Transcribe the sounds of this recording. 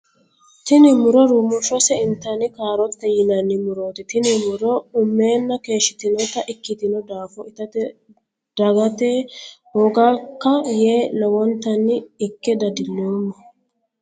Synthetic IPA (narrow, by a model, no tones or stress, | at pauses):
t̪ɪnɪmʊɾɔɾuːmʊʃɔsɛɪnt̪ːɐnɪkaːɾɔt̪ːɛjɪnɐnːɪmʊɾoːt̪ɪt̪ɪnɪmʊɾɔʊmːe̞ːnːɐke̞ːʃːɪt̪ɪnɔt̪ɐʔɪkːɪt̪ɪnɔd̪aːfɔɪt̪ɐt | d̪̥ɐɡɐt̪eːhɔɡakːɐjeːnɐwɔnt̪ːɐnːɪːkːɛd̪ɐd̪ɪnːemːɐ